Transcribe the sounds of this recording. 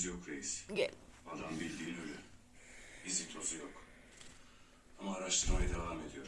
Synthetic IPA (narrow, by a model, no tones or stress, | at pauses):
jokɾejizɛad̪anbilʲd̪iːnølʲy | izit̪ʰo̞zujok | amaːɾaʃt̪ʰɯɾmajad̪evaːme̞d̪ijo̞ɾ